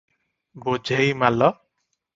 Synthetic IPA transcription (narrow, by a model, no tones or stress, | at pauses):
bod͡ʒʱejmalɔ